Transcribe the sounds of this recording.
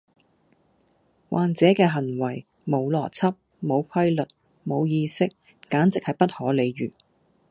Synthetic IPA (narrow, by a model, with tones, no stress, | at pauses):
wʔaː˨˩nt͡sɛː˨˥kɛː˧ɦɐ˨˩nwɐ˨˩j | mo˨˧wlɔː˨˩t͡sʰɐ˥p̚ | mo˨˧wkʷʰɐ˥jlɵ˨t̚ | mo˨˧wjiː˧sɪ˥k̚ː | aː˨˥nt͡sɪ˨k̚hɐ˨jpɐ˥t̚hɔː˨˥le˨˧jɥyː˨˩